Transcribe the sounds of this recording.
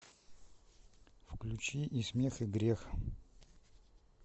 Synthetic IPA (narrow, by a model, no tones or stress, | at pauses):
fklʲʉt͡ɕiʔismʲexɨɡɾʲex